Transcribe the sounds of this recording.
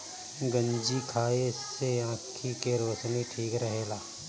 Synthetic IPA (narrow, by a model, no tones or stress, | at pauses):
ɡə̃ɲd͡ʒikʰaːeɪsːejãːt̪ʰikeɾoːt͡ʃniʈʰiːkɾəɦeːlaː